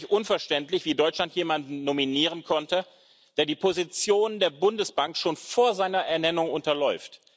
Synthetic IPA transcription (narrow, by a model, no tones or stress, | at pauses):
çʔʊnfɛɐʃtɛntlɪçv̥iːdɔʏt͡ʃlantjeːmandn̩ːominiːʁ̞ənkʰɔntə | d̥eːɐdiːpʰozit͡sjoːnəndeːɐbʊndəsb̥aŋkʃoːnfoːɐzaɪnɐʔɛɐnɛnʊŋʔʊntɐlɔʏft